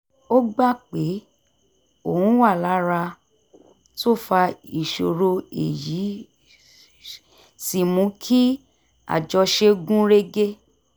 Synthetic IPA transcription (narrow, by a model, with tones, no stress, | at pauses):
o˦ɡ͡ba˦˨k͡pe˨˦ | o˨ũ˨˦wa˦˨la˨˦ɾa˧ | to˦˨fa˧i˨ʃo˨ɾo˧ḛ˨ji˨˦ | si˨mũ˨˦kʰi˦ | a̰˨d͡ʒɔ˧ʃe˧ɡũ˦ɾe˦ɡe˦